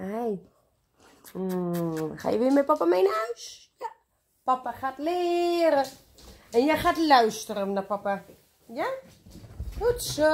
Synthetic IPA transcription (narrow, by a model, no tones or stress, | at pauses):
ɛj | xa̰jəʋɪəmɛpapamejnəœɥsj | papaxatlɪɾə | ɛnjɛxaːtlœɥstəɾənapapa | ja | hutsə